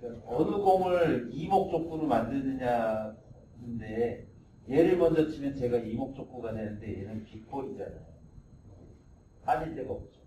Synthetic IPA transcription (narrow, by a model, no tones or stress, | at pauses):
kaʌnɯɡoŋɯɭimok̚t͡ɕ͈ok̚k͈uɾomandɯnɯɲa | nɯnde̞ | jeɾɯɭmʌnd͡ʑʌt͡ɕʰimjʌnt͡ɕe̞ɡaimok̚t͡ɕ͈ok̚k͈uɡadenɯnde̞jenɯnpik̚p͈ʰʌit͡ɕa̰na̰joo | haɕʰindeɡʌt͡ɕ͈o̥